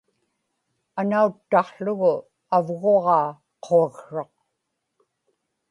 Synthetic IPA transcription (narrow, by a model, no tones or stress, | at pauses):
anaut̪ːɑχɬʊɣʊ | avɣoʁɑː | qʰoaɣʂɑq̚